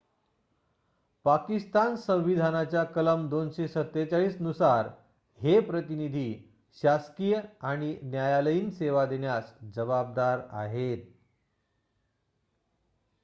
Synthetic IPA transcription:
pakist̪ansə̃w̃ʋid̪ʱanat͡ɕjakələmd̪onɕesət̪ːet͡ɕaɭiːsnusaɾ | hepɾət̪inid̪ʱiː | ɕaskijəaɽ̃injajaləjiːnseʋad̪eɳjasd͡ʑəʋab̚d̪aɾa̰ɦet̪̚

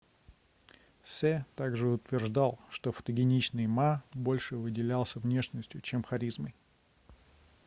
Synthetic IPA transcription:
sɛt̪aɡʐɨʊt̪vʲɪrʐd̪alˠʂt̪ofə̥t̪əɡʲɪnʲit͡ɕnɨjmabo̞lʲʂɨvɨdʲɪlʲalˠsʲəvnʲe̞ʂnəsʲtʲjʊt͡ɕe̞mxɐɾʲizməj

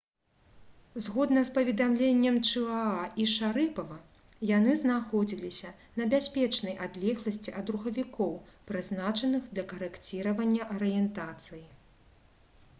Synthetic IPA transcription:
zɣɔd̪nɐspɐvʲɛd̪amlʲenʲːɛmt͡ʂɨaaiʂaɾɨpɐvɐ | janɨznaxɔd͡zʲilʲisʲɐ | nɐbʲasʲpʲɛt͡ʂnɐjʔad̪lʲɛɣlˠɐsʲt͡sʲiʔɐd̪ɾuxɐvʲikʰɔwpɾɨznat͡ʂɐnɨxd̪lʲɐkɐɾɛkt͡sʲiɾɐvɐnʲːɐʔɐɾɨjɛnt̪at̪sɨji

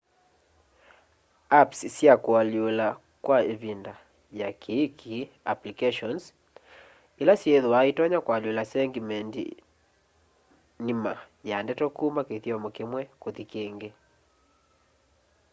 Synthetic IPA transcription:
apssjakwaljola | kwaevinda | jakʰiːkʰi | aplikɛʃɔns | elasjeðuaitɔɲakwaljolasɛŋɡimɛndḭ | nima | jandɛtɔkumakeθjɔmɔkemwɛkoðikeŋɡe

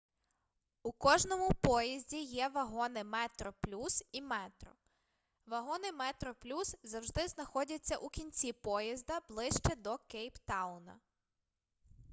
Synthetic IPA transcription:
ukɔʒnɔmʊpɔjizʲdʲijɛʋɐɦɔnɪmɛt̪ɾɔplʲusimɛt̪ɾɔ | ʋɐɦɔnɪmɛt̪ɾɔplʲuszɐwʒd̪ɪznɐxɔdʲɐt͡sʲːɐʔukʲinʲt͡sʲipɔjɐzd̪ɐblˠɪʃt͡ʃɛd̪ɔkɛjpt̪ɑwnɐ̰

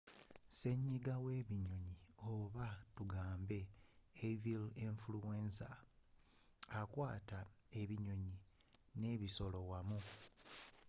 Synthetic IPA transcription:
se̞ɲːiɡawe̞ːβiɲo̞ɲioβatuɡaːmbe̞ː | viliɱfuluweːnsa | akwaːtae̞βiɲo̞ɲi | ne̞βiso̞lo̞wamu

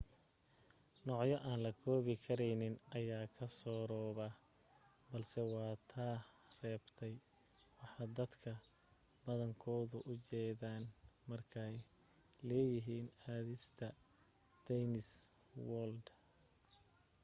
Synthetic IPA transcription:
nɔːʕjɔʔaːnlɐkʰɔːβɪkʰɐɾɛjnɪnɐjaːkʰɐsɔːɾɔːβɐ | bɐlsɛwɑːt̪ʰaːrɛːbt̪ʰɛj | wɑħɑːd̪ɐd̪kʰɐ | bɐðɐŋkʰɔːðʊʔʊt͡ʃɛːðaːnmɐrkʰɛj | lɛːjɪɦiːnaːðɪst̪ʰɐ | d̪̥ɛjnɪs | wɔld̪

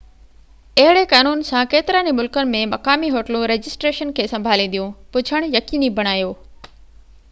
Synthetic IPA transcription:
ɐɦɪɽekaːnuːnsãkeːt̪ɪɾaːnimʊlkənɪ̆mẽmɐkaːmiɦoːʈlũɾeːd͡ʑɪsʈɾeːʃənkʰeːsɐ̃mbʱaːlĩnd̪ijũpʊd͡ʑʱʰəɽ̃jɐkiːnibʱɐɽ̃aːjoː

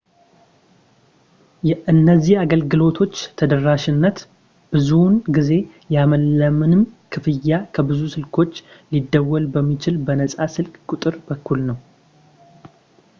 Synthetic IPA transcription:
jɛʔɨnːəzːihaɡəlɡɨlo̞t̪ʰo̞t͡ʃːt̪ʰəd̪əraʃɪnːət̪ | b̥ɨzunɡize̞ | jaməlːəmɨnɨmkʰɨfɨjːakʰəbɨzusɨlkʰo̞t͡ʃːlid̪ːəwːɔlbəmːit͡ʃɪlbənəsʼasɨlkʼkʼʊt̪ʼɨɾbəkʰːulnəw

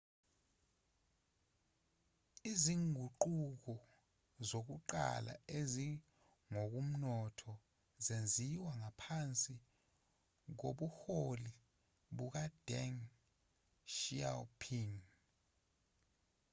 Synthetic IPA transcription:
iziŋʱuǃuk̬ɔ | zok̬uǃa̰la̰ezi | ŋok̬um̩nɔtʰɔ | zend͡zʱiwaŋapʰant͡sʼi | k̬oɓuxoli | ɓuk̬ad̥ʱɛŋ | ʃialpʰiŋ

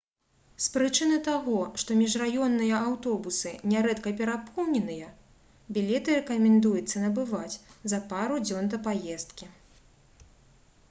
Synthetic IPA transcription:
spɾɨt͡ʂɨnɨt̪aɣɔʂt̪ɔmʲiʐrajɔnːɨjɐawt̪ɔbusɨnʲɛɾɛt̪kɐpʲɛɾapɔwnʲɛnɨjɐ | bʲilʲɛt̪ɨrɛkɐmʲɛnd̪ujut̪sːɐnɐbɨvat͡sʲzɐpaɾud͡zʲɔnd̪ɐpajɛst̪̚kʲi

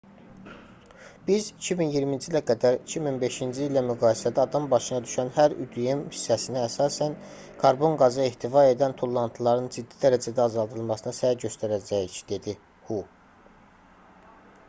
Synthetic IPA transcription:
b̥izicʰiminjiɾmind͡ʒilæɡæd̪æɾicʰiminbe̞ʃind͡ʒiːlæmyɡɑːjisæd̪æɑd̪ɑmbɑʃɯnɑd̪yʃænhæɾyd̪ijemhi̥sːæsiniæsɑːsæn | kʰɑɾbo̞ŋɡɑzɯeht̪ʰivɑe̞d̪ænt̪ʰolˠːɑnt̪ʰɯlˠɑɾɯnd͡ʒid̪ːid̪æɾæd͡ʒæd̪æɑzɑlˠd̪ɯlˠmɑsɯnɯsæɟø̞st̪æɾæd͡ʒæjicd̪̥e̞d̪i | hu

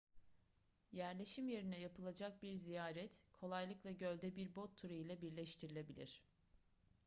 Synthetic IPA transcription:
jæɾlʲe̞ʃimje̞ɾinɛjapʰɯlˠad͡ʒak̚biɾzijaːɾɛt̪kʰo̞lˠajlˠɯklˠaɟø̞lʲd̪ɛbiɾbot̪ʰːuɾajilʲˠabiɾlʲɛʃt̪ʰiɾilʲe̞bilʲiɾ̝̥

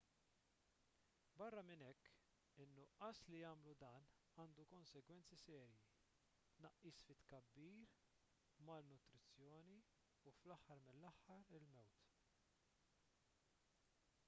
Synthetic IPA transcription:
bɐrːɐmɪnɛkː | ɪnːʊʔɐslijɐːmlud̪ɐːn | ɐːnd̪ukɔnsɛɡwɛnt͡sisɛːɾji | t̪nɐʔːiːsfɪt̪ːkɐbːiːɾ | mɐlnʊt̪ɾɪt͡sːjɔːni | uflɐħːɐɾmɪnlːɐħːɐɾɪlmɛwt̪

